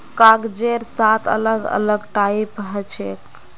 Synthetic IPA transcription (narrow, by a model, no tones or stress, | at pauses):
kaɡd͡ʒeɾsat̪ʰə̰ləɡə̰ləɡʈaipɦɛt͡ʃʰek